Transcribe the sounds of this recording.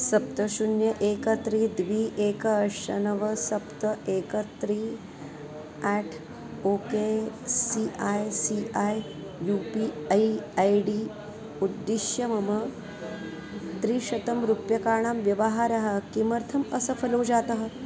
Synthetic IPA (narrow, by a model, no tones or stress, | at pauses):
sɐp̚t̪əɕunjɐʔeːkət̪ɾiːd̪ʋiːʔeːkəːʂɐnɐʋɐsɐpt̪əʔeːkət̪ɾiː | æʈʰ | oːkesiʔajsiʔaj | jupiːiajɖiː | ud̪ːiʃjɐmɐmə | t̪ɾiːʃɐt̪ɐmɾupjɐkaːɳ̃amʋjɐʋəɦaɾɐɦakimɐɾt̪ʰɐməsəfʰɐlod͡ʑat̪ɐɦə